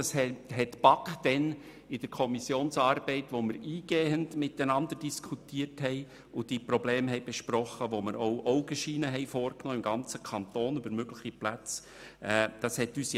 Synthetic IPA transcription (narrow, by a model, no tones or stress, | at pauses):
ɑsɛhɛtb̥ɑkχd̥ɛn | ɪd̥əɾkʰɔmisjoːnsɑːɾb̥ɛɪtʋoməɾiːɡ̥eːəndmɪtənɑnd̪əɾd̥iskʰutiːəɾthɛɪ | ʊd̥iːpɾɔbleːmɦɛɪb̥ɛʃpɾɔχəʋoməɾowʔɔʊɡəʃiːnəɦɛɪfoːrknoːɪmɡɑnt͡səkʰɑntoːnybəɾmøɡləχiplæt͡s | ɛːd̥ɑshɛtyːsj